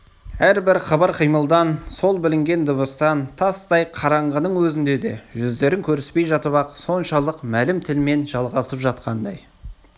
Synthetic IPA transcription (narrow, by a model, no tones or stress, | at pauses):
æɾbɪɾχɑbɑɾqʰijməlˠd̪ɑnso̞lˠbɪlɪŋɡʲe̞nd̪əβəst̪ɑnt̪ʰɑst̪ɑjqʰɑɾɑɴʁənəɴwɵzɪnd̪e̞d̪e̞̰ʒʏzd̪e̞ɾɪŋkʲʰɵɾɪspe̞jʒɑt̪əβɑqso̞nʃɑlˠəqmælɪmt̪ʰɪlme̞nʒɑlˠʁɑsəpʒɑt̪̚qʰɑnd̪ɑj